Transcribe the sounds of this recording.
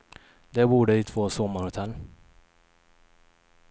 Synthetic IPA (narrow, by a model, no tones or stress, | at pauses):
d̪ɛbuːɖəɪt̪ʰv̥oːsɔmːaɾhʊt̪ʰɛlː